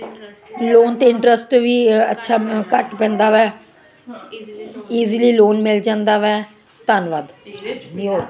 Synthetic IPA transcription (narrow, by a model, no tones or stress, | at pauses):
loːnt̪eːɪɳʈɾəsʈʋiːə̰tːʃʰaːkəʈpɛ̃ːnd̪aːʋɛː | iːziliːloːnmɪld͡ʒãːnd̪aːʋɛː | t̪ənʋad̪ | oː